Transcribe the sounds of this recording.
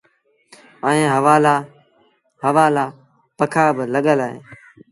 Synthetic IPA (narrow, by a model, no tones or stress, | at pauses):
əẽːɦəʋaːlaː | ɦəʋaːlaː | pəkʰaːbɪləɠəlaːɦḛː